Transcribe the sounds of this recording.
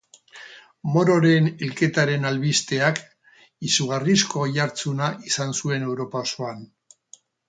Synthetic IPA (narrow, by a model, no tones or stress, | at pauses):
mo̞ɾo̞ɾe̞nilke̞t̪aɾe̞nalβist̪e̞ak | isuɣarisko̞jaɾt͡sunaʔisansue̞ne̞wɾo̞paosoan